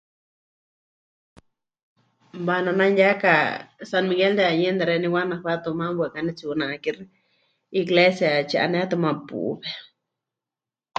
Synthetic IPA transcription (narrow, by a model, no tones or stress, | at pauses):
banananjakasanmiɡeld̪eajend̪aɾeniwanaɸwat̪omambʷwekanit͡sunakiɾ | iɡlesjat͡ʃa̰ʔa̰nɛt̪omapṵbe